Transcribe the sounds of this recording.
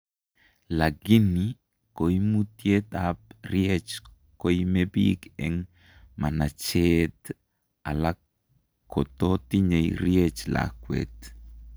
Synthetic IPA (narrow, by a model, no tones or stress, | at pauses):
laɡini | kojmut̪jet̪ap̚rjet͡ʃ | kojmebḭkɛŋ | manat͡ʃet̪ | a̰la | kot̪ot̪iɲejɾjet͡ʃla̰kwḛt̪